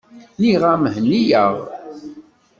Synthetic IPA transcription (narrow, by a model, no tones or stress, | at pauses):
niʁamhnːijəʁ